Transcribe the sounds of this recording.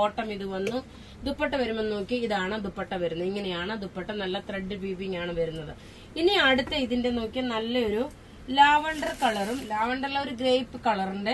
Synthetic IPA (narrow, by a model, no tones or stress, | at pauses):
oːʈːɐmiðuʋɐnːu | d̪upːɐʈːɐʋɐɾumenːno̞ːkːiiðaːɳɨd̪upːɐʈːɐʋɐɾunːuiŋːɐnejaːɳɨd̪upːɐʈːɐnɐlːɐt̪reɖːɨbiːbiŋaːɳɨʋɐɾunːɐðɨ | iniɐɽut̪ːeiðinde̞no̞ːkːinɐlːɐo̞ɾu | laːʋɐɳɖɐrkɐɭɐrumlaːʋɐɳɖɐrilɐo̞ɾuɡɾejpːɨkɐɭɐruɳɖe